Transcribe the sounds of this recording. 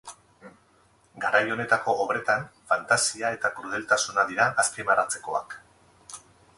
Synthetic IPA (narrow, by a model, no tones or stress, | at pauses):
ɡaɾajo̞ne̞t̪ako̞ʔːβɾe̞t̪anfant̪asiae̞t̪akɾuð̞e̞lt̪asunaðiɾaʔːskemaɾat͡se̞ko̞̰a̰k